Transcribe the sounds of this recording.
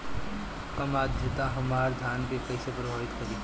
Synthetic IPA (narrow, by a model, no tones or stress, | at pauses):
kɐmaːd̪ʱjət̪aɦɐmaːɾd̪ʱaːnkekɐɪsepɾɐbʱaːʋɪt̪kɐɾi